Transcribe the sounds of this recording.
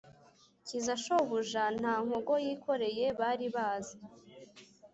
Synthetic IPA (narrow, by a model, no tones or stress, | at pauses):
cizaʃoβuʒan̥haːŋ̥hoɡo̞jiːkʰo̞ɾe̞je̞βaːɾiβaːza